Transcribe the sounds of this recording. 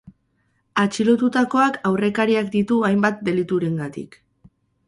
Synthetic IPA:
at͡ʃilo̞t̪ut̪ako̞akawre̞kaɾiakd̪it̪uajmbat̪̚d̪e̞lit̪uɾe̞ŋɡat̪ḭk

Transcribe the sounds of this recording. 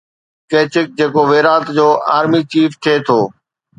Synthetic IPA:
keːt͡ɕɪk̚d͡ʑeːkoʋeːɾaːt̪d͡ʑoːʔa̰ːɾmiːt͡ɕiːft̪ʰeːt̪ʰoː

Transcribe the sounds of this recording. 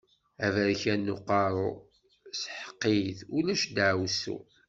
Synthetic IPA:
ævəɾçænːʊqɑɾˤo | sħə̥qːijθulæʃd̪ʕwsṵ

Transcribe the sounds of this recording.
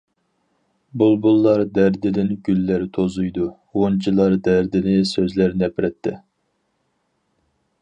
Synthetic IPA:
bulˠbulˠːɑɾd̪æɾd̪ɪd̪ɪnɡʲylːæɾt̪ʰozujd̪u | wont͡ʃʰilˠːɑɾd̪æɾd̪ɪnɪsøzlæɾnɛpɾɛt̪ʰːɪ

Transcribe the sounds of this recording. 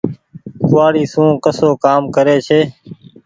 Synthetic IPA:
kʊʋaːɽiːsũːkəsoːkaːmkəɾeːt͡ʃʰeː

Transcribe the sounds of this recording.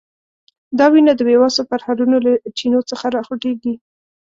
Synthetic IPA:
d̪ɑwinad̪əwewɑsofaɾhaɾunolat͡ʃinot͡səxaɾɑxuʈeɡi

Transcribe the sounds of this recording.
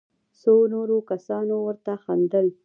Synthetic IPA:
sonoɾokasɑnowəɾt̪axand̪əl

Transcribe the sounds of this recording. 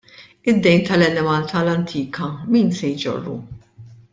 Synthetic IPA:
ɪd̪ːɛjnt̪ɐlɛnɛmɐlt̪ʰɐlɐnt̪ʰiːkʰɐmiːnsɛjd͡ʒɔ̰rːṵ

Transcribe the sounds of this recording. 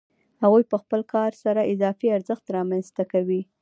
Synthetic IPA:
haɣujpəxpəlkʰɑɾsaɾaʔɪzɑfiaɾzəxt̪ɾɑmanzt̪akawi

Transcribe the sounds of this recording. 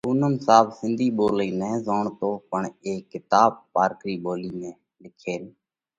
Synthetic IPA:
ʊnəmsaːbsɪnd̪ʱiːɓoːliːnɛ̃ːzoːɳt̪oːpəɳeːkːɪt̪aːbpaːɾkɾiːɓoːliːnɛ̃ː | lɪkʰeːn

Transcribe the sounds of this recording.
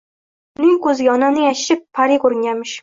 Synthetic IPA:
ʊnɪŋkɵzɪɡʲɒnanɪjaʃʃɪpʰːaɾikoɾɪŋjʲanmɪʃ

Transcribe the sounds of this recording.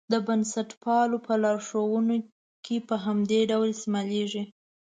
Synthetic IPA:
d̪əbansaʈpɑlopəlɑɾʂowəno | kʰepəɦamd̪eɖawlsimaleʐi

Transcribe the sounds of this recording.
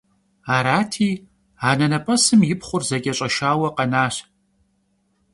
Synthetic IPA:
aːɾaːtʰiː | aːnɐnɐpʼɐsɨmjɪpχʷʊrzɐkʲʼɐɕʼɐʃaːwɐqɐnaːɕ

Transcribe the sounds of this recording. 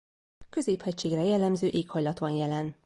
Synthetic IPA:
kø̞zeːphɛct͡ʃeːɡrɛjɛlːɛmzøːʔeːkhɒjlɒt̪ʋɒnjɛlɛn

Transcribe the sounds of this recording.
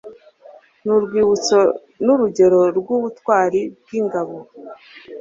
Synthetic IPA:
nuɾɡwiːβut͡so | nuɾuɟe̞ɾo̞ɾɡuːβutwaːɾib̚ɡiŋɡaβo̞

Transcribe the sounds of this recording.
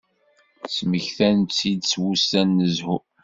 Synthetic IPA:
sməçθænt͡sːid̪swustænːəzhu

